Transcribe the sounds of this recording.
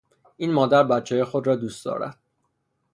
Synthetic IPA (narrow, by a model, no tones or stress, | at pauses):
ʔiːnmɒːd̪æɾbæt̪t͡ʃʰːɛːjexo̞d̪ɾɒːd̪uːstd̪ɒ̰ːɾæ̰d̪̥̚